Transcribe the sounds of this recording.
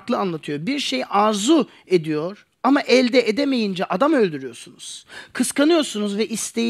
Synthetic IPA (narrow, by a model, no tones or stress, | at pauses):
klˠɯanlˠat̪ʰɯjo̞biɾʃe̞jʔaɾzu | e̞d̪ijo̞ɾ̥ | amaʔɛlʲd̪ɛʔed̪eme̞jind͡ʒɛʔad̪amø̞lʲd̪yɾyjo̞ɾsunuz̥kʰɯskanɯjo̞ɾsunuzvɛʔist̪ʰe